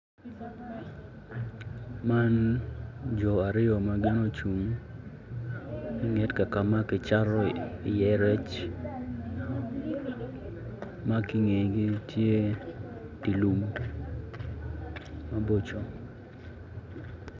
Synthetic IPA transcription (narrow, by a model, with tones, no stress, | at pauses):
ma˦n | d͡ʒɔ˨a˨ɾɪ˦ɔ˨ma˦ɡɪ˦no˦t͡ʃu˨m | i˦ŋɛ˦tka˨ka˨ma˦kɪ˨t͡ʃa˦ɾɔ˦ɪ˨jɛ˨ɾɛ˦t͡ʃ | ma˦ki˦ŋe˨jɡi˦tje˦ | di˨lu˨m | ma˦bo˦t͡ʃo˨